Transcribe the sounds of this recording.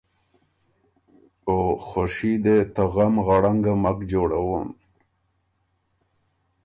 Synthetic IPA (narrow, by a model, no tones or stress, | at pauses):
oxoʂid̪et̪aɣamɣaɽaŋɡamakd͡ʑoːɽawon